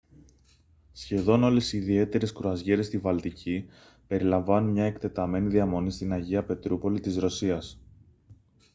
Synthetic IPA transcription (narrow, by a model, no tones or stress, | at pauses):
sçe̞ðo̞no̞le̞siːðie̞t̪e̞ɾe̞skɾoɐzʝe̞ɾe̞st̪ivɐlt̪icʰi | pe̞ɾilɐɱvɐnunmɲɐe̞kt̪e̞t̪ɐme̞niðiɐmo̞nist̪inɐʝiɐpe̞t̪ɾupo̞lit̪izɾo̞siɐs